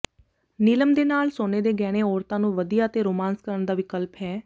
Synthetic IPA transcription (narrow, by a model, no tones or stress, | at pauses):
nɪləmd̪eːnaːlsoːneːd̪eːɡɛːɽ̃eːɔːɾt̪ãːnũːʋəd̪ijaːət̪eːɾoːmãːnskəɾəɳd̪aːʋɪkəlpɦɛː